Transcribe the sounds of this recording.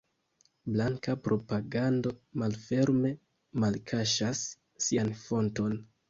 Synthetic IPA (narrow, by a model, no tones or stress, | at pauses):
blaŋkapɾo̞paɡando̞malfe̞ɾme̞ | malkʰaʃasː | ianfo̞nto̞n